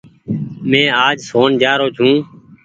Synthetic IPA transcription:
mẽːaːd͡ʒsoːnd͡ʒaːɾoːt͡ʃʰũː

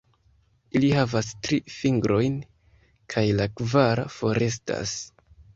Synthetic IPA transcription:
ilihavastɾifiŋɡɾo̞jn | kʰajlakvaɾa̰fo̞ɾe̞s̬ta̰s

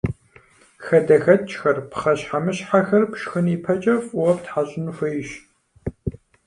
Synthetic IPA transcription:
xɐdɐxɐtt͡ʃʼxɐrpʰχɐɕħamɨɕħaxɐrkʷʃxɨnipʰɐt͡ʃʼɐfuwɐp̚tħaɕʼɪnufʷɐjɪɕ

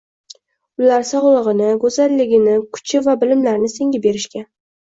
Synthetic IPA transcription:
ʊlaɾsɒʁlˠɨʁɨnɪɡɵzalːɪɡʲɪnɪkʰʊ̥t͡ʃʰɪvabɪlɪmlaɾnɪse̞ŋɡʲabe̞ɾɪʃkʲa

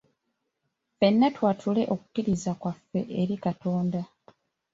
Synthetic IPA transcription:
fe̞nːatwaːtʰule̞ʔo̞ku̥kiɾizakwafːe̞ʔeɾikato̞ːnda

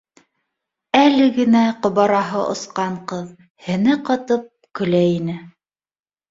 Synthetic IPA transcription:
ælɘɡɘ̆næqŏβɑɾɑɦɤʔŏ̰sqɑɴqɤð | hɘ̆nɘqɑt̪ɤp̚kɵ̆læjinɘ

